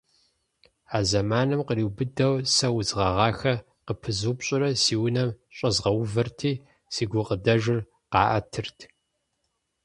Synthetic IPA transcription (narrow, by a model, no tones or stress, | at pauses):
aːzɐmaːnɨmqəriːwbɨdɐwsɐwʊzʁɐʁɑːxɐ | qəpʰɨzuːpɕʼɪɾɐsiːwnɐmɕʼɐzʁɐwvɨrtʰiː | siːɡʷʊqədɐʒɪr | qɑ̰ːʔɐtʰɨrtʰ